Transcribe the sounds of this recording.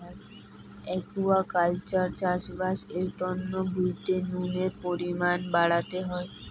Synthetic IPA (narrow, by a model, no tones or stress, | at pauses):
e | ɛkuakalt͡ɕaɾt͡ɕaʃbaʃeɾt̪ɔnːobʱujt̪enuneɾpoɾimanbaɽat̪eɦɔe